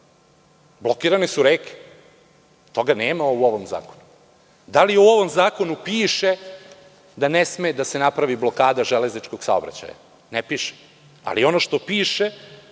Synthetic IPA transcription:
blˠo̞kiːɾanesuɾeːke̥ | t̪o̞ɡaneːmauo̞ʋomza̰ːkonu | d̪aliuo̞ʋo̞mzaːko̞nupiːʃe | d̪anesmed̪asenapɾaʋiblˠo̞kaːd̪aʒele̞znit͡ʃkoɡ̥sa̰obɾa̰t͡ɕa̰ja̰ | nepiːʃe̥ | a̰lio̞noʃt̪o̞piːʃe

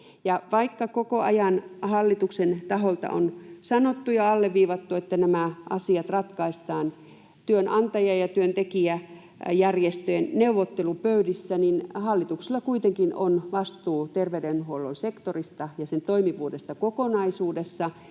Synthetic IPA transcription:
jɑʋɑikːɑkokoɑjɑnhɑlːit̪uksent̪ɑɦolt̪ɑ̰ʔo̰nsɑnot̪ːujɑɑlːeʋʋiːʋɑt̪ːuet̪ːænæmæʔɑsiɑt̪rɑt̪kɑist̪ɑːn | t̪yønʔɑnt̪ɑjɑjɑt̪yønt̪ekiæ | jærjest̪øenneuʋot̪ːelupøydisːæninhɑlːit̪ukselːɑkuit̪eŋkino̰nʋɑst̪uːt̪erʋeydenhuolːonsekt̪orist̪ɑjɑsent̪oimiʋuːdest̪ɑkokonɑisuːdesːɑ

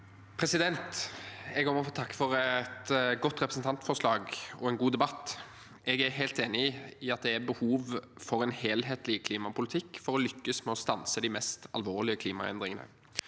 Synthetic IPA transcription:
pʰɾɛsɪd̪ɛnt̪ɛɡhoːməɾɔfoːt̪ʰɑkːə̥fɔɾt̪ɡɔt̪ːɾɛpɾəsnt̪ʰɑnt̪fɔʂlɑːɡɔɛnɡuːd̪ɛbɑt̪ː | ʔɛɡæɾɦæɪlt̪eːnɪɪɑt̪̚d̪ɛæbəhuːʋfɔɾɛnheːlɦeːt̪lɪkʰliːmɑpʰʊlɪt̪ʰɪkːfɔɾɔlʏkːəsmɛɔst̪ɑnsəd̪ɪmɛst̪ɑ̰lʋoːʁlɪəkʰliːmɑ̰ɛ̰nd̪ɾɪŋənə̰

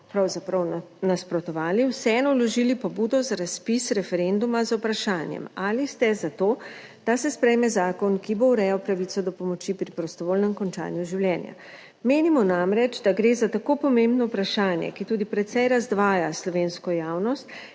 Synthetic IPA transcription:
pɾawzapɾɐwnaspɾɔt̪ɔʋaːliwsɛɛnɔlɔʒilipɔbuːd̪ɔzaɾaspisɾɛfɛɾend̪umazawpɾaʃaːnjɛ̰malist̪ɛzat̪oː | d̪̥asɛspɾɛjmɛzaːkɔnkibouɾɛjawpɾaʋit̪sɔd̪ɔpɔmɔt͡ʃipɾipɾɔst̪ɔʋoːlnɛmkɔnt͡ʃa̰ːnjuʒiwlʲjɛːnja̰ | meːnimɔnamɾɛt͡ʃd̪aɡɾeːzat̪akopɔmẽmbnɔwpɾaʃaːnjɛ̰kit̪uːd̪ipɾɛt̪sɛjɾazd̪ʋaːjaslɔʋeːnskɔjaːwnɔst̪

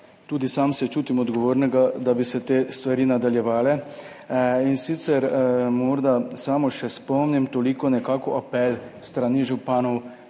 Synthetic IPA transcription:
t̪uːd̪isaːmsɛt͡ʃuːt̪imɔd̪ɡɔʋoːɾnɛɡad̪abisɛt̪eːst̪ʋaɾiːnad̪aljɛʋaːlɛ | insit̪sɛɾmɔːɾd̪asaːmɔʃɛspɔmnimt̪olikɔnɛkaːkɔʔapɛlst̪ɾaniʒupaːnɔw

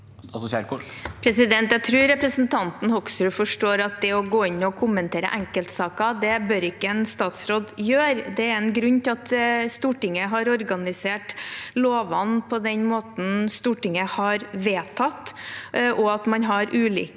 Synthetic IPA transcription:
pʰɾɛsɪd̪ɛnt̪jæɪt̪ʰɾʉːɾɾɛpɾəsnt̪ʰɑnt̪n̩hɔksɾʉfɔʂʈoːɾɑt̪̚d̪ɛɔɡoːɪnːɔkʰʊmːənt̪ʰeːɾə̰ʔæŋkəlt̪sɑːkɑd̪ɛbœɾɪkːəɛnst̪ɑːt̪sɾoːd̪jøːɾd̪ɛæɾɛnɡɾʉɲːt̪ʰɪlɑt̪st̪uːʈɪŋəɦɑɾɔɾɡɑnɪseːʈloːʋɑnpʰɔd̪ɛnmoːt̪n̩st̪uːʈɪŋəhɑɾʋeːt̪ʰɑt̪ːʔɔɑt̪mɑnɦɑɾʔʉːlḭː

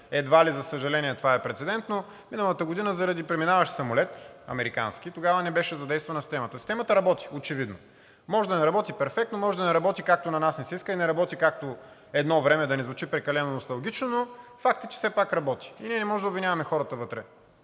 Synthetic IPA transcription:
ɛd̪valizɐsəʒɐlɛniɛt̪ovaɛpɾɛt̪sɛd̪ɛnt̪no | minɐlˠət̪əɡod̪inəzɐɾɐd̪ipɾɛminavɐʃsɐmolɛt̪ɐ̰mɛɾika̰nsk̟it̪oɡavənɛbɛʃɛzɐd̪ɛjst̪vɐnɐsi̥st̪ɛmət̪əsi̥st̪ɛmət̪əɾɐbɔt̪i̥ot͡ʃɛvid̪no̰ | mɔʒɛd̪ɐnɛɾɐbɔt̪ipɛɾfɛkt̪nomɔʒɛd̪ɐnɛɾɐbɔt̪ikak̚t̪onɐnasnɛsiskəinɛɾɐbɔt̪ikak̚t̪o | ɛd̪nɔvɾɛmɛd̪ɐnɛzvʊt͡ʃipɾɛkɐlɛnonost̪ɐlˠɡʲit͡ʃnonofak̚t̪ət͡ʃɛ̥sɛpakɾɐbɔt̪i̥iniɛnɛmɔʒɛd̪əobvinʲjavɐmɛxɔɾət̪əvɤt̪ɾɛ

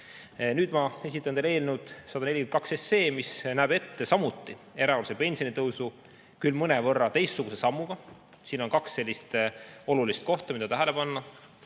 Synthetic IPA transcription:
nyːd̪mɑe̞s̬ʲit̪ːˑɑneleːlnud̪̥sɑd̪ɑnelikymnt̪kɑksesːe̞ːmisnæːbe̞t̪ːe̞sɑmut̪ˑːie̞ɾɑolusepe̞nʲsio̞nit̪ɤwsu | kylmɤnɛvɤrːɑt̪e̞jst̪ːuɡ̥use̞sɑmːuɡ̥ɑ | siːno̞nkɑksːe̞lʲːist̪o̞lulist̪̚ko̞ht̪ɑmid̪ɑt̪æɦæle̞pɑnːɑ

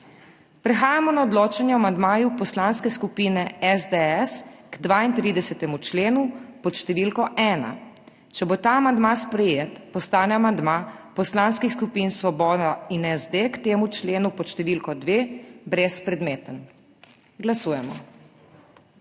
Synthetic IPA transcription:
pɾɛxaːjamɔnaɔd̪loːt͡ʃanjɛamand̪maːjupɔslanskɛskupiːnɛɛzd̪eɛsɡ̥d̪ʋaint̪ɾiːd̪ɛsɛt̪ɛmut͡ʃleːnupɔt̪ʃt̪ɛʋilkɔʔɛːna̰ | t͡ʃɛbot̪aːamand̪maspɾɛjet̪pɔst̪aːnɛamand̪mapɔslanskixskupinsʋɔbɔːd̪ainɛzd̪ekt̪eːmut͡ʃleːnupɔt̪ʃt̪ɛʋilkɔd̪ʋebɾɛspɾɛd̪meːt̪ən | ɡlasuːjɛmɔ̰

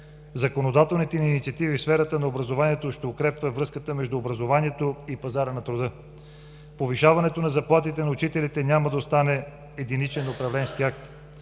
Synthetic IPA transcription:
zɐkonod̪at̪ɛlˠnit̪ɛninit̪sʲiɐt̪ivifsfɛɾət̪ənɐobɾɐzovaniɛt̪oʃt̪ɛokɾɛpvəvɾɤskət̪əmɛʒd̪uːbɾɐzovaniɛt̪oipɐzaɾənɐt̪ɾʊd̪ɤ | poviʃavɐnɛt̪onɐzɐplˠat̪it̪ɛnɐʊt͡ʃit̪ɛlit̪ɛnʲaməd̪ɐost̪anɛː | d̪init͡ʃɛnopɾɐvlɛnskiak̚t̪

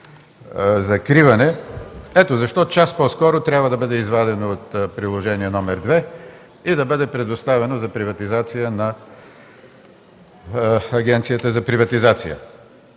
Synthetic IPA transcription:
zɐkɾivɐnɛɛt̪ozɐʃt̪ɔt͡ʃaspɔskɔɾot̪ɾʲjabvəd̪ɐbɤd̪ɛizvad̪ɛnot̪pɾilˠoʒɛniɛnɔmɛɾd̪vɛ | id̪ɐbɤd̪ɛpɾɛd̪ost̪avɛnozɐpɾivɐt̪izat̪sijənɐ | ɐɡʲɛnt̪sijət̪əzɐpɾivɐt̪izat̪sijə̰

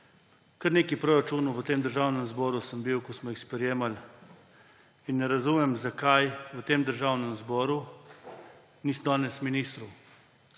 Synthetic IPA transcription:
kɐɾneːkipɾoːɾat͡ʃunuʋət̪eːmd̪əɾʒaːwnɛmzbɔːɾusəmbiwkɔsmɔjixspɾɛjeːmal | inːɛɾazuːmɛmzakajʋət̪eːmd̪əɾʒaːwnɛmzbɔːɾu | nisd̪ɔːnɛsminiːst̪ɾɔw

